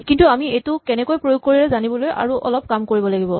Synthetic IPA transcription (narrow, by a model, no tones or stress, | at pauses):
kintuamiejtʊkɛnɛkojpɹojoɡ̚koɹiɹɛzanibɔloja̰ɹuʔɔ̰lɔp̚kamkoɹibɔlaɡibɔ